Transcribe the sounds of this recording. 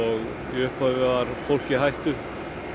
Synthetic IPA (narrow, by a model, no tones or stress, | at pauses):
ɔɣ | iʏhphavɪvaɾ̥fowl̥cɪɦajht̪ʏ